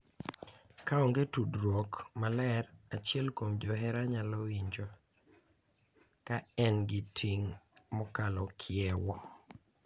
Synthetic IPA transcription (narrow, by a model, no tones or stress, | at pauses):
kaɔŋɡetudɾwokmalɛɾat͡ʃɛlkomd͡ʒɔɦɛɾaɲalɔwiɲd͡ʒo | kaɛnɡɪtʰiŋmɔkalɔkʰɪɛwɔ